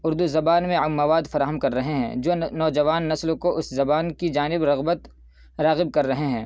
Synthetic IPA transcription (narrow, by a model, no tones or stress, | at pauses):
ʊɾd̪uzɐbaːnmẽːɐʋaːd̪fɐɾaːɦəmkɐɾːɐɦeɦɛ̰̃ːd͡ʒoːnɔːd͡ʒɐʋaːnːɐslokoʔʊszɐbaːnkid͡ʒaːnɪbɾɐɣbət̪ | ɾaːɣɪb̚kɐɾːɐɦeɦɛ̃ː